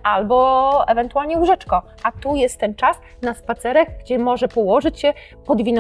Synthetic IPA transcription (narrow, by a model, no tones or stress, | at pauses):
ʔalbɔɛvɛnt̪ualɲɛuʐɛt͡ʂkɔ | ʔat̪ujɛst̪ːɛnt͡ʂas | naspat̪sɛɾɛɡɡd͡ʑɛmɔʐɛpɔwɔʐɘt͡ɕɕɛ | pɔd̪vʲin